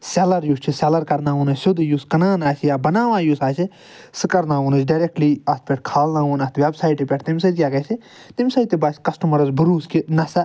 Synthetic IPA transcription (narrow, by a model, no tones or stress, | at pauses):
selɐɾjuːst͡ʃʰisɛlɐɾkɐɾnãːunɐt͡ʃʲsʊd̪juːskɐnãːnaːt͡ʃʰijaːbɐnaːʋãːjuːsaːt͡ʃʰi | sɨkɐɾnãːunɐt͡ʃɖɐɾek̚ʈliːɐspʲɛʈ̚kʰaːlnãːuːnɐst̪ʋʲebsaːjʈepʲɛʈʰt̪imsɐt̪kʲjaːkɐt͡ʃʰi | t̪imsɐjt̪ebaːt͡ʃkɐsʈɐmɐɾɐzbəɾuːskinɐsɐ